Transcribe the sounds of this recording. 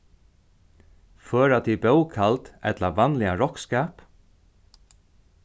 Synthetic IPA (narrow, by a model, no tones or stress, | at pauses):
fœːɾat̪ʰibœwkʰalt̪ɛ̰t̪laʋanlɪaɾɔkskaːp